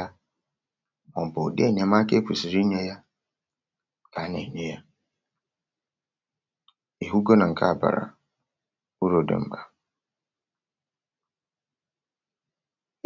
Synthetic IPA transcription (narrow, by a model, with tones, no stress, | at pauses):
a˦ | ɔ̃˨m˨bɔ˨dɪ˦ɛ˦˨ɲã˨mã˦kʰɛ˦kʰu˨si˨ɾi˦ɲã˦ja˦˨ | kʰa˨˦nã̰˨ɲɛ̃˦ja˦ | e˨ɦu˦ɡo˦nã˨ŋ̩˨kʰa̰˦˨ba̰˨ɾa̰˨ | u˦ɾo˨dɪ̰̃˨m̩˨ba˨